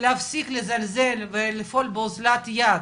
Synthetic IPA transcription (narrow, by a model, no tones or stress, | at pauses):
leafsiklezalzelvelefo̞lbeozlat̪jad̪